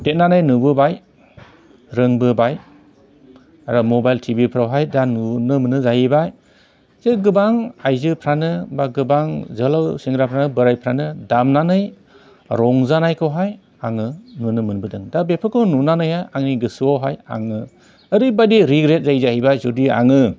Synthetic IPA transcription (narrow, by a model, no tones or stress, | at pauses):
det̚nanɯjnubɯbaj | ɾɯŋbɯbaj | aɾɔmɔbajltʰibipʰɾawɦajdanunɯmɯnɯzajibaj | zeɡɯbaŋajzɯpʰɾanɯbaɡɯbaŋzɯlawsiŋɾapʰɾanɯbɯɾajpʰɾanɯdamnanɯj | ɾɔŋzanajkʰɯwɦaj | aŋɯnunɯmɯnbɯdɯŋdabepʰɯkɯnunanɯjhajʔaŋniɡɯsuawɦaja̰ŋɯ | əɾibadiɾiɡɾet̚zajzahibajzudia̰ŋɯ